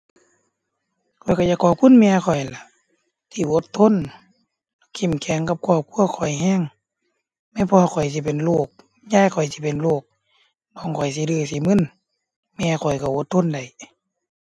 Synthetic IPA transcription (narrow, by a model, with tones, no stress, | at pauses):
kʰɔ˨˩jka˧˩jaː˧kːɔː˧˩kʰu˧˥˨nmɛː˧kʰɔ˨˩jla˧˦ | t̪ʰiː˧˩ʔo˧˦t̪ʰːo˧˥˨n | kʰi˧˩˨mkʰɛː˨˦ŋka˧˦p̚kʰu˧ə˨p̚kʰu˧˥˨ɐkʰɔ˨˩jɦɛː˧˥˨ŋ | ma˧˨pʰɔ˧ha˧kʰɔ˨˩js̬i˧˦˨pe˨nloː˧˩k̚ | ɲaː˧˥˨jkʰɔ˨˩jsi˧˦pe˨nloː˧˩k̚ | nɔː˧˩˨ŋkʰɔ˨˩js̬i˧˦dɯː˧˩si˧˦mɯ˧˥˨n | mɛː˧kʰɔ˨˩jka˧˩ʔo˧˦t̪ʰːo˧˥˨nda˨˩j